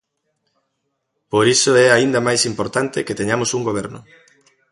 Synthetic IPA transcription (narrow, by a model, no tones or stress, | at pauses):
poɾisoɛaind̪amajsimpoɾt̪ant̪ɪket̪eɲamosuŋɡoβ̞ɛɾnʊ̰